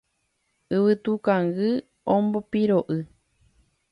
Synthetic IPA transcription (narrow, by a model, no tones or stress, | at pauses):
ɨβɨt̪ukaŋɡɨ | õmbopiɾoʔɨ